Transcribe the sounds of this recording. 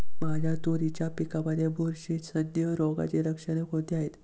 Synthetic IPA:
mad͡ʑʱjat̪oɾit͡ɕjapikabəd̪ʱjebʱuɾɕit̪sənjəɾɔɡa̰t͡ɕeɾəkʂəɽ̃ekõt̪iaɦet̪

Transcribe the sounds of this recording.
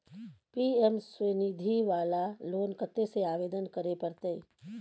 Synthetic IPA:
piːɛmswənid̪ʱiʋaːlaloːnkət̪ːeseaːʋeːd̪ənkəɾepɐɾt̪e

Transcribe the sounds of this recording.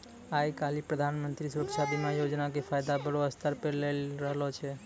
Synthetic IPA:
ajkalipɾəd̪ʱanmənt̪ɾisuɾəkʃabʱimajod͡ʒnakepʰajd̪abəɽoəst̪ʰəɾpelelɾəɦlɔt͡ʃʰɛ

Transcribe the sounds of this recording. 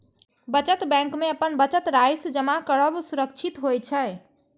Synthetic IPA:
bət͡ʃət̪bɛ̃ŋkmeəpənbət͡ʃət̪ɾajsd͡ʒəmakəɽəbsuɾəkt͡ʃʰit̪ɦojt͡ʃʰə

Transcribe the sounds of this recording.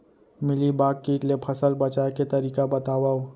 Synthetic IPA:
mɪlibaːkːiːʈlepʰəsəlbət͡ʃaeket̪əɾiːkabət̪aːwaːo

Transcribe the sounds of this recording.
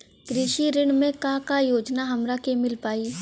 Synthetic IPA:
kɾɪʃiɾɪɳmẽkakajoːd͡ʒnaɦɐmɾakemɪlpaːiː

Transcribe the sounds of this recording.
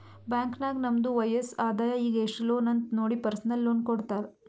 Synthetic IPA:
baːŋknaːɡnɐmd̪uʋɐjesaːd̪aːjɐiːɡeʂʈɐloːnɐnt̪noːɽipɐɾsɐnɐlːoːnkoɽt̪aːɾ

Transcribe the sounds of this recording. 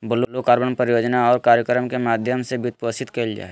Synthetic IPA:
bʊlolokaːɾbənpəɾɪjoːd͡ʒnaɔːɾkaːɾjəkɾəmkemaːd̪ʱjəmsebɪt̪̚pəsɪt̪kɐld͡ʒa̰ː

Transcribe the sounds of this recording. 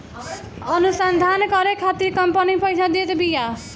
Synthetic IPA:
ʌnusand̪ʱankʌɾekʰat̪iɾkʌmpənipʌjt͡ʃʰad̪et̪bija

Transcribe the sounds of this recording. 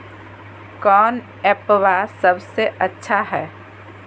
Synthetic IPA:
kɔːn | ɛːpʋaːsɐbseʔɐtːʃʰaɦɛː

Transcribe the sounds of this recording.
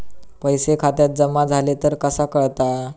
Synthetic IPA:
pəjsekʰat̪jat̪̚d͡zəmad͡zʱalet̪əɾkəsakəɭt̪a

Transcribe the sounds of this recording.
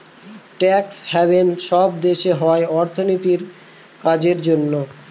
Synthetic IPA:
ʈɛkshɛβenʃɔb̚d̪eʃeɦɔeɔɾt̪ʰonit̪iɾ | kad͡ʑeɾd͡ʑonːo

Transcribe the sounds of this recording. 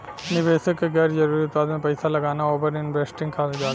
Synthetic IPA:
niʋeːsɐkɡɐɾd͡ʒɐɾuːɾiut̪̚paːd̪ɐnɐpɐjsɐlɐɡaːnɐoːbɐɾninbesʈiŋkʰaːd̪ɐɡaː

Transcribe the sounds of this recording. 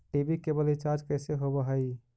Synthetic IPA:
ʈibikebəlit͡ʃaɾd͡ʒkəɪseɦobəɦəj

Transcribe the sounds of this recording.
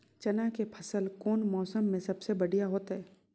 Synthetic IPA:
t͡ʃɐnakepʰɐsəlkoːnmɔːsəmːẽsɐbsebɐɽijaɦoːt̪ɦɛː

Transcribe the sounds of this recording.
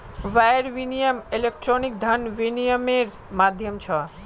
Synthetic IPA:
ʋajəɾʋinijəmilek̚ʈɾonik̚d̪ʱənʋinijəmeɾ | mad̪ʱjəmt͡ʃʰə

